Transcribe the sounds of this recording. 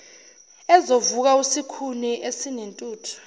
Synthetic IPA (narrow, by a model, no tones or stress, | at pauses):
ɛzovuk̬ausikʰuniʔesinentʼuːtʰɔ̥